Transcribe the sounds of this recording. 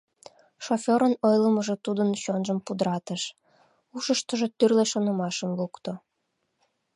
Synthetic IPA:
ʃofʲoɾənojləməʒot̪ud̪ənɕonʒəmpud̪əɾɑt̪əʃ | uʃəʃt̪əʒot̪yrleʃonəmɑʃəmlukt̪o

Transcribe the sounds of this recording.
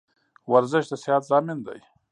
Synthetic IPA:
waɾzɪʃd̪əsɪhat̪zɑːmɪnd̪a̰j

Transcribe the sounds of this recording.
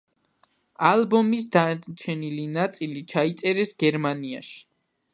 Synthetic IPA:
alˠbɔmis̬d̪at͡ʃʰɛnilinat̪sʼilit͡ʃʰait̪sʼɛɾɛsɡɛɾmaniaʃi̥

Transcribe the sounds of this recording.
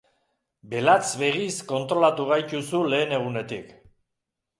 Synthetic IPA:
be̞lat͡sβe̞ɣisko̞nt̪ɾo̞lat̪uɣ̞ajt̪usule̞ːne̞ɣ̞une̞t̪ik

